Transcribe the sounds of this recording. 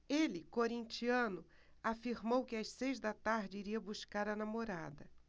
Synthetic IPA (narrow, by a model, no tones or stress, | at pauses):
elɪkoɾĩnt͡ʃiɐ̃nʊ | afiɾmowkɪassejzd̪ɐt̪aɾd͡ʒɪiɾiɐbuskaɾɐnamoɾad̪ɐ